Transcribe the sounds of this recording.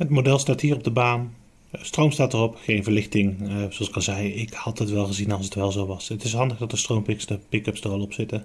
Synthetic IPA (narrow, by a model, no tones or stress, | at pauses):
ətmodɛlˠstaːtɦiːrɔb̚dəbaːn | strowmstaːtərɔpxejnvəɹlɪxtɪŋzoɑlsɪ̥kɑnzɛjɪkhɑtətʋɛlˠɣəzinɑlˠsətʋɛlˠzowʋɑsətɪsɦɑndəɣdɑt̚dəstrowmpɪksdəpɪkəpsdərɑlˠɔpsɪtə